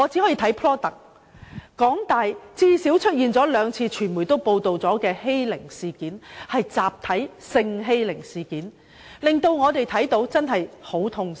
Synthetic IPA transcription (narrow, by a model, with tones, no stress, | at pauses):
ŋɔ˨˧t͡siː˨˥hɔː˨˥ji˧t̪ʰɐ˨˥jpʰlɔː˥t̪ɐ˨k̚ | kɔː˨˥ŋt̪aː˨jt͡siː˥si˨˥wt͡ʃʰɵ˥t̚jiː˨nt͡sɔː˨˥lœː˨˧ŋt͡sʰiː˧t͡ʃʰyː˨˩nmuː˨˩jt̪o˥wpo˧wt̪o˨wt͡sɔː˨˥kɛː˧he˥jlɪ˨˩ŋsiː˨kiː˨˥nhɐ˨jt͡saː˨p̚t̪ʰɐ˨˥jsɪ˧ŋɦe˥jlɪ˨˩ŋsiː˨kiː˨˥n | lɪ˨ŋt̪o˧wŋɔː˨˧t̪e˨˩jt̪ʰɐ˨˥jt̪o˨˧˥wt͡sɐ˥nɦɐ˨jho˨˥wt̪ʰʊ˧ŋ